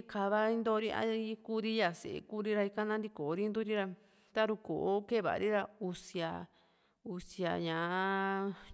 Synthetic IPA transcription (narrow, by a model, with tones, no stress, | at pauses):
ka˧˨βa˦ĩ˦˧nd̪o˧˦˧ɾi˦a̰˧i˧˦ku˦ɾi˦ja˨sḛ˨ḛ˧˨ku˦ɾi˦ɾa˧i˧ka˦nã˦nd̪i˧ko˨˧˦ɾi˦nd̪u˦ɾi˦ɾa˧ | t̪a˦ɾu˧ko˨ʔo˦ke˦˨βa̰˨˧ɾi˦ɾa˧u˧si˧a˧ | u˧sja̰˨˧ɲã˨˦